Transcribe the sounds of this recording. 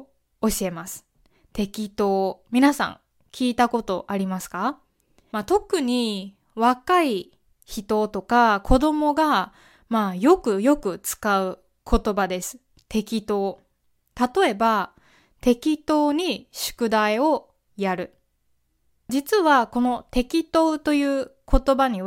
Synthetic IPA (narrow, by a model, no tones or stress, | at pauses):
o̞ɕie̞masɨ̥ | t̪e̞kʲit̪o̞ːmʲinasã̰ŋ | kʲiːt̪ako̞t̪o̞ʔaɾʲimasɨ̥ka | mat̪o̞kɯ̟ɲ̟i | βakai | çit̪o̞t̪o̞kakʰo̞d̪o̞mo̞ɡa | majo̞kɯ̟jo̞kɯ̟t͡sɨ̥kaɯ̟ | kʰo̞t̪o̞bad̪e̞sɨ̥ | t̪e̞kʲit̪o̞ː | t̪at̪o̞e̞ba | t̪e̞kʲit̪o̞ːɲ̟iɕɨ̥kɯ̟d̪aio̞ | jaɾɯ̟ | d͡ʑit͡sɨβako̞no̞t̪e̞kʲit̪o̞ːt̪o̞jɯ̟ːkʰo̞t̪o̞baɲ̟i